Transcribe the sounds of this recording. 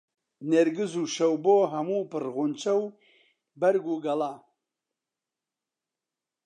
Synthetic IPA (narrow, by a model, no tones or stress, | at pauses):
neɾɡɨzuːʃɐwboːɦɐmuːpɨɾɣunt͡ʃɐw | bɐɾɡuɡɐlaː